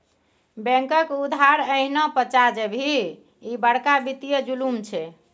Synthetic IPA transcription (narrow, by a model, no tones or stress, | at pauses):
bɛ̃ŋkəkud̪ʱaɾəɦnɔpət͡ʃad͡ʒebʱi | ibəɽkabit̪ijəd͡ʒulumt͡ʃʰɛ